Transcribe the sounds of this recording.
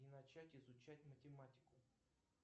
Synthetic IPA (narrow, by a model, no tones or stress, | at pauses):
inɐt͡ɕætʲɪzʊt͡ɕætʲmətʲɪmatʲɪ̥kʊ